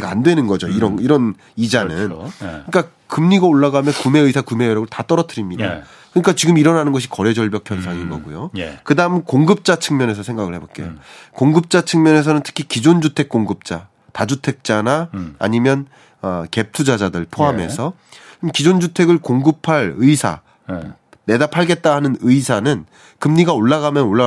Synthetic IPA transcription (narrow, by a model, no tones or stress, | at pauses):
ɡaa̰ndwe̞nɯnɡʌd͡ʑoiɾʌniɾʌn | id͡ʑanɯnɯɲik͈a | kɯmɲiɡaoɭːaɡamjʌnkume̞ɯsʰakume̞jʌɾʌɡɯɭtat͈ʌɾʌtʰɯɾimɲida̰ | kɯɲik͈at͡ɕiɡɯmiɾʌnanɯnɡʌɕ̬ʰi̥kʌɾe̞d͡ʑʌɭbjʌk̚pʰjʌns̬ʰaŋinɡʌ̰ɡujokɯdaɯmɯnkoŋɡɯp̚t͡ɕ͈at͡ɕʰɯŋmjʌne̞sʰʌsʰe̞ŋɡaɣɯɭhe̞bok͈e̞jokoŋɡɯp̚t͡ɕ͈at͡ɕʰɯŋmjʌne̞s̬ʰʌnɯntʰɯ̥kʰikid͡ʑond͡ʑutʰe̞k̚k͈oŋɡɯp̚t͡ɕ͈a | tad͡ʑutʰe̞k̚t͡ɕ͈anaa̰ɲimjʌn | ʌke̞p̚tʰud͡ʑad͡ʑadɯɭpʰoɦame̞̰sʰʌ | kid͡ʑond͡ʑutʰe̞ɡɯɭkoŋɡɯpʰaɭɯisʰa̰ | ne̞dapʰaɭɡe̞t̚t͈aɦanɯnɯisʰanɯn | kɯmɲiɡaoɭːaɣamjʌnoɭːa